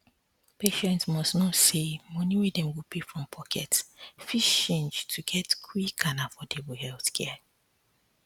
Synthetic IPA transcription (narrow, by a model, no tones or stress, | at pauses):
peʃɛ̃ntsmɔstnɔsemɔ̃niwedɛ̃mwipʰefɹɔ̃mpʰɔkʰɛ̰tfiʃt͡ʃẽnd͡ʒtʰuɡɛtkʰwikʰanafɔdɛbuhɛlθkʰɛ